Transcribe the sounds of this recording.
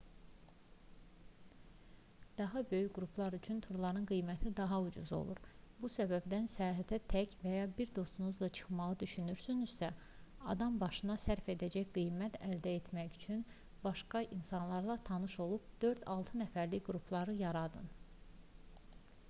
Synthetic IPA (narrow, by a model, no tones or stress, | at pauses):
d̪̥ɑɦɑbø̞jycɡɾupʰlˠɑɾyt͡ʃʰynt̪ʰuɾlˠɑɾɯnɡɯjmæt̪ʰid̪ɑɦɑud͡ʒṵzo̞̰lˠṵɾbusæbæbd̪ænsɛjɑːɦæt̪ʰæt̪ʰæcvæjɑbiɾd̪o̞st̪unuzlˠɑt͡ʃʰɯ̥χmɑʁɯd̪yʃynyɾsynyz̥sæ | ɑ̰d̪ɑmbɑʃɯnɑsæɾfe̞d̪æd͡ʒæçɡijmæt̪ʰæld̪æet̪ʰmæjyt͡ʃʰyn | bɑʃkɑʔinsɑnlˠɑɾlˠɑt̪ʰɑnɯʃo̞lˠupd̪̥ø̞ɾd̪ɑlˠt̪ʰɯnæfæɾliɡɾupʰlˠɑɾɯjɑɾɑd̪ɯ̰n